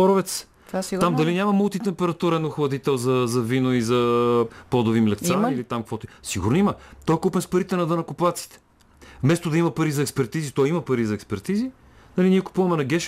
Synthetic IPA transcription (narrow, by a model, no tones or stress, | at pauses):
ɔɾovɛt̪s | t̪amd̪ɐlinʲamɐmulˠt̪it̪ɛmpɛɾɐt̪uɾɛnoxlˠɐd̪it̪ɛlˠzɐzɐvinoizɐpɔd̪oʊvimlɛkt̪sailit̪amkvɔt̪ʊisiɡʊɾnimət̪ɔjkupɛnspɐɾit̪ɛnɐd̪ɐnɐkʊplˠat̪si̥t̪ɛ̥ | vmɛst̪od̪ɐimɐpɐɾizɐɛkspɛɾt̪izit̪ɔjimɐpɐɾizɐɛkspɛɾt̪izi | nɐliniɛkʊ̥puvɐmɛnɐɡʲɛʃ